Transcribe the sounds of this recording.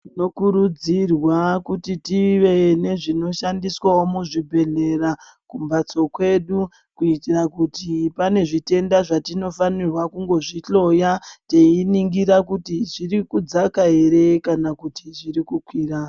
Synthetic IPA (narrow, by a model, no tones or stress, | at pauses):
ino̞kuɾud͡zirwakutitiʋe̞ne̞ʐino̞ʃandiswawomuʐibʱe̞ɮe̞ra | kumbat͡so̞kwe̞ɗu | kuitirakutipane̞ʐite̞ndaʐatino̞fanirwakuŋɡo̞ʐit͡ɬo̞jateiniŋɡiɾakutiʐiɾikud͡zakaeɾe̞kanakutiʐiɾikukwiːra